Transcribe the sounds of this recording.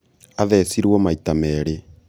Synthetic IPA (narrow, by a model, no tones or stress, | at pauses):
aðɛsiɾwɔmaitamɛːɾe